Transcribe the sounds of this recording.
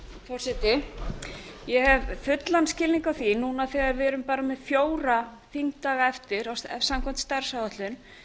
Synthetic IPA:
fɔrsɛt̪ɪ | jɛhɛvfʏt̪lanscɪlniŋkawθinunaθɛɣaɾvɛɾʏmpaːɾamɛðfjoːwɾa | θiŋkt̪aːɣaɛft̪ɪɾawɛsamkʰɛm̥t̪st̪aɾ̥sawðaht̪lʏn

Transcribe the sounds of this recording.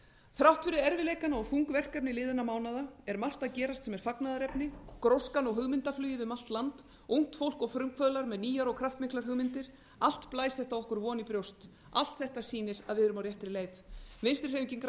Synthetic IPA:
θɾawht̪fɪɾɪɛɾvɪleːjkanɔɣfuŋkvɛr̥kapnɪlɪːðʏnamaːwnaðaɛɾmar̥t̪aðcɛːɾast̪sɛmɛɾ̥faknaðaɾɛpnɪkɾowskanɔɣɦʏɣmɪnt̪aflœːjɪðʏmalt̪lant̪ | uŋ̥t̪fowl̥kɔɣfɾʏmkʰvœðlaɾmɛðniːjaɾɔɣkʰɾaft̪mɪhklaɾhʏɣmɪnt̪ɪɾ̥ | al̥t̪plaːjsθɛht̪awɔhkʏɾvɔːnipɾjowst̪ | a̰l̥t̪θɛht̪asiːnɪɾaðvɪðʏɾʏmawɾjɛht̪ɪɾɪleːjθvɪnst̪ɪ̥ɾ̥ejmciŋk

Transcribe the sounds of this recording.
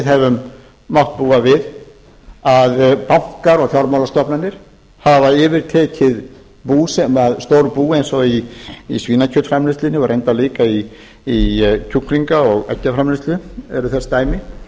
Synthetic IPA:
ɪðɦɛvʏmː | awht̪̚puːavɪð | aðpam̥kaɾɔɣθjawɾmawlast̪ɔpnanːɪɾ̥ | havaɛːvɪɾ̥t̪ʰɛːcʰɪð | puːsɛmaðst̪owɾpuːejnsɔiisviːnacʰœt̪fɾamlɪst̪lɪnɪvaɾʔejnt̪aliːkai | icʰukliŋkaɔɣɛ̰cːafɾamlɪst̪lɪɛɾʏθɛst̪aːjmɪ

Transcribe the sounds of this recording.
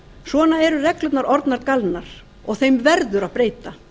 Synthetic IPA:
svɔːnaɛɾʏrɛklʏt̪naɾɔɾt̪naɾkalnaɾ̥ | ɔɣθejmvɛɾðʏɾaðpɾeːjt̪a

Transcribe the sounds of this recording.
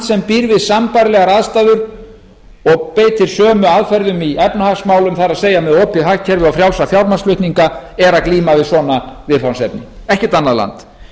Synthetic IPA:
at̪sɛmpiːɾvɪðsampajɾlɛːɣaɾaðst̪aːðʏɾ | ɔɣpeːjt̪ɪɾ̥sœːmʏaðfɛɾðʏmiɛpnʏhasmaːwlʏmθaɾaðseːjamɛðoːwpɪðɦahcʰɛɾvɪðawfɾjaw̪safjawɾmanslʏht̪niŋkaɛɾaðkliːmavɪðsɔːnavɪðfawnsɛpnɪ̰ɛhcɪt̪anːaðla̰nt̪

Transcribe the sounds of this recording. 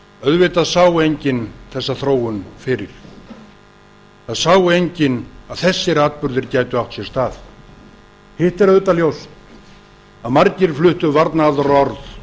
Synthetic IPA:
œðvɪt̪aðsaːwʏejɲcɪnθɛsːaθɾoːwʏnfɪɾɪɾ̥ | θaðsaːwʏejɲcɪnaðθɛsːɪɾaːt̪̚pʏɾðɪɾcaːjt̪ʏawt̪sjɛɾst̪aːθ | hɪht̪ɛɾœðʏt̪aljowst̪ | aðmaɾcɪɾ̥flʏht̪ʏvaɾt̪naaːðaɾɔɾθ

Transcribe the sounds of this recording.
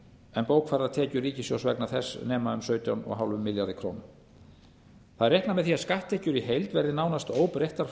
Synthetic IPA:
ɛnpoːwkʰfaɾat̪ʰɛːcʏɾriːcɪsjowsvɛknaθɛsːnɛːmaʏmsœːɥt̪jawnɔ̰ɣɦawlvʏmːɪljaɾðɪkʰɾo̰wnʏm | θaðɛɾjɛjhk̪namɛðθiaskaht̪ʰːɛhcʏɾiɦejlt̪vɛɾðɪnaːwnast̪oːwpɾejht̪aɾ̥

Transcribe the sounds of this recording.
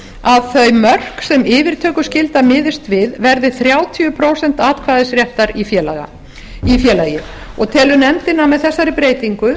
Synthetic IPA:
aðθœɥmœr̥ksɛmɪːvɪɾ̥t̪ʰœːkʏscɪlt̪amɪːðɪst̪vɪðvɛɾðɪθɾjaːwt̪ʰiʏpʰɾoːwsɛn̥t̪aːt̪kʰvaːðɪsɾjɛhft̪aɾifjɛːlaɣa̰ | ifjɛːlajɪ | ɔɣt̪ʰɛːlʏnɛmt̪ɪnːamɛðθɛsːaɾɪpɾeːjt̪iŋkʏ

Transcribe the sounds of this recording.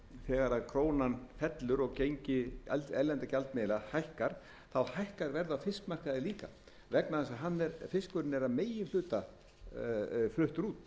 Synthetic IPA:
θɛːɣaɾaðkʰɾoːwnanfɛt̪lʏɾɔɣcejɲcɪalɛlɛnt̪acalt̪̚mɪːðɪlahajhkaɾ̥ | θawhajhkaɾvɛɾðafɪskmar̥kaðɪliːka̰ | vɛknaθɛnsaðɦanːɛɾfɪskvʏɾɪnɛɾaðmeːjɪnl̥ʏːt̪a | flʏht̪ʏɾuːt̪

